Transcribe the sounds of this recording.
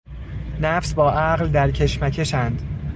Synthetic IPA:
næfsbɒːʔæɣld̪æɾcʰe̞ʃmæcʰe̞ʃænd̪̥

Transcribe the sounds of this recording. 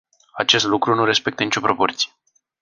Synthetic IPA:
at͡ʃe̞st̪lukɾunuɾe̞spe̞k̚t̪ənit͡ʃopɾo̞po̞rt̪sije

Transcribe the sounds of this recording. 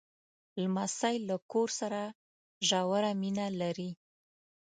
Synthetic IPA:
lmasajlːakoɾsaɾa | ʒawaɾaminalaɾi

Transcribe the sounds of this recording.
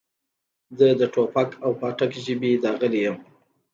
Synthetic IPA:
zəd̪əʈʰopakʰawpɑʈakʒəbid̪ɑɣəlejəm

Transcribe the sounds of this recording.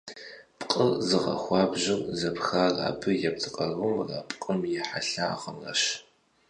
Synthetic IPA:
pʼqʼəzɨʁɐ̰xʷɑːbʒɪmzɐpxaːra̰ːbɨjɛp̚tʰɨqʼɐrʁʊmra̰ːpʼqʼəmjɛħaɬa̰ːχɐmrɐ̰ʃ

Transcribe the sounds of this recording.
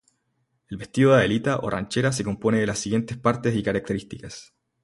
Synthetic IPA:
elβe̞st̪iðoðaelit̪aʔo̞̰rʔa̰nt͡ʃeɾas̬eko̞mpo̞neðelasːiɣje̞nt̪e̞spaɾt̪e̞sikaɾak̚t̪e̞ɾist̪ikas

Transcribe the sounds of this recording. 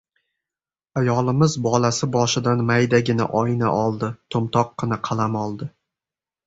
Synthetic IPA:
ajɒlˠɪmɪzbɒlasɪbɒʃɪd̪anmajd̪aɡʲɪna̰ʔɒjna̰ʔɒlˠd̪ɪt̪ʰomt̪ʰɒqːɨnaqʰɑlˠamɒlˠd̪ɪ

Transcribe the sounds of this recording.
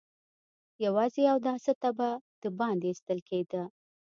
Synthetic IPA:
jawɑzeawd̪ɑsət̪abad̪̥əbɑnd̪est̪əlkʰed̪ə

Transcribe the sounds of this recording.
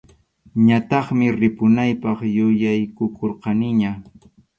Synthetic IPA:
ɲat̪ɑχmɪɾɪpʊnajpɑχjʊjajkʊkoɾqɑnɪɲa

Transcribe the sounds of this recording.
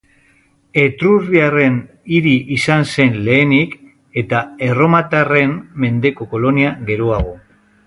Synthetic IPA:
e̞t̪ɾurβiare̞n | iɾiʔisanse̞nle̞ːnik | e̞t̪ae̞ro̞mat̪are̞mːe̞nd̪e̞ko̞ko̞lo̞niaɣe̞ɾoaɣ̞o̞

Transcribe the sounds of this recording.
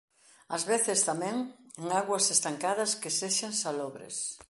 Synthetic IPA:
ɐzβeθɪst̪amɛ̃ŋeŋaɣwɐsest̪aŋkaðɐskeseʃaŋsalɔβɾɪ̰s

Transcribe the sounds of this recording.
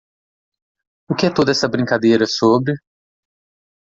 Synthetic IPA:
ʊkɪɛt̪od̪ɐɛsɐbɾĩŋkad̪ejɾɐsobɾɪ

